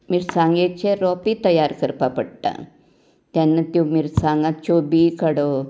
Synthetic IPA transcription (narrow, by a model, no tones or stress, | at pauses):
miɾsãŋɡet͡ɕeɾɔpit̪əjaɾkəɾpapəɽt̪a̰ | t̪janːət̪omiɾsãŋɡãt͡ɕobikəɽo